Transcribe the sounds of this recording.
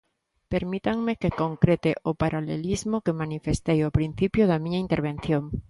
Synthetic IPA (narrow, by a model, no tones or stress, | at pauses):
peɾmit̪aŋmekekoŋkɾet̪eʔʊpaɾalelizmokemanifest̪ejopɾin̟θipjoðamĩɲaint̪eɾβ̞ẽn̟θjoŋ